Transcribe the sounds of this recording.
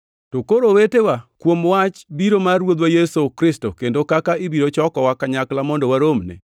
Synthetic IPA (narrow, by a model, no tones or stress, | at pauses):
tokoɾowetewakwomwat͡ʃbiɾomarwod̪wajesokɾɪstokendokakaibiɾot͡ʃɔkɔwakaɲaklamɔndɔwaɾomnɛ̰